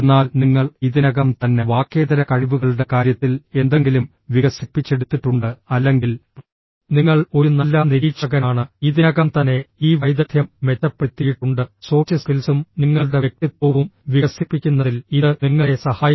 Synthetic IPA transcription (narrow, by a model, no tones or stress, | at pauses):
nːaːlniŋːɐɭiðinɐɣɐmt̪ɐnːe̞ʋaːkːe̞ːðɐɾɐkɐɻiʋuɣɐɭuɽe̞kaːɾjɐt̪ːile̞nd̪e̞ŋɡilum | ʋiɣɐsipːit͡ɕːe̞ɽut̪ːiʈːuɳɖɨɐlːe̞ŋɡil | niŋːɐɭo̞ɾunɐlːaniɾiːt͡ʃt͡ɕɐɣɐnaːɳɨiðiɐɣɐmt̪ɐnːe̞iːʋɐjd̪ɐt̪ʰjɐmʋetːɐpːeɽut̪ːijiʈːuɳɖɨso̞ːt͡ɕːɐskilsumniŋːɐɭuɽe̞ʋek̚t̪ipːoːʋumʋiɣɐsipːikʲːunːɐðiliðɨniŋːɐesɐhaːji